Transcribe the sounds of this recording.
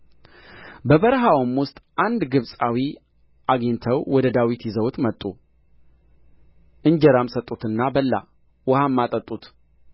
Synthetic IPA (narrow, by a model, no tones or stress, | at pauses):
bəβəɾɦawmwʊst̪ʼʔand̪ɡɨβsʼawi | ʔaɡint̪ʰəwwɔd̪əd̪awit̪jizəwt̪mət̪ʼːu | ʔɨɲd͡ʒɛɾamsət̪ʼut̪ɨnːabəlːa̰ | wəhamːat̪ʼət̪ʼut̪